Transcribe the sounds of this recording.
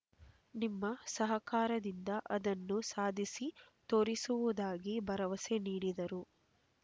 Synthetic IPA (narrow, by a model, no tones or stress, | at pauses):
nimːɐsɐɦɐkaːɾɐd̪ind̪ɐʔɐd̪ɐnːusaːd̪ʱisit̪oːɾisuʋud̪aːɡibɐɾɐʋɐseniːɽid̪ɐɾu